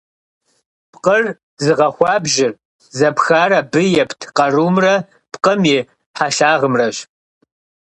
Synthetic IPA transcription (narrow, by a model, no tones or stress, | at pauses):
pqər | zɨʁɐxʷɑːbʒɪr | zɐpxaːrɐbɨjɛpʰtʰqɐruːmrɐ | pqəmiː | ħaːɬaːʁəmrɐɕ